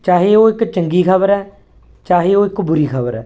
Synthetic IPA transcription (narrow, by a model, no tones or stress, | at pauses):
t͡ʃaːɦeːoːɪkt͡ʃəŋɡiːkʰəbəɾɛː | t͡ʃaːɦeːoːɪkbʊɾiːkʰəbəɾɛː